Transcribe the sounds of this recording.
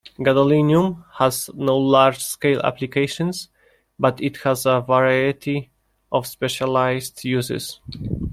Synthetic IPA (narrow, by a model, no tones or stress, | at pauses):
ɡadəlĩnjũmhæznoʊlaɹd͡ʒskeɪlæ̰plikʰeɪʃɔ̃ns | bʌtɪthæzəvəɹajɨtʰi | ʔɔvspɛʃalaɪzdjuzɪ̰z̥